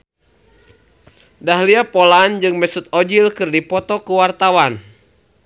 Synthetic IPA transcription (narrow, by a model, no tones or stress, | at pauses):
daɦliapɔland͡ʒɨŋmɛsut̪̚ɔd͡ʒilkɨrdipɔt̪ɔkuwart̪awan